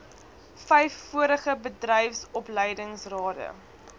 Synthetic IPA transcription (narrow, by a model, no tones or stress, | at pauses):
fɛjfːuəɾəχəbədrɛjfsɔpləjdəŋsrɑːdə̰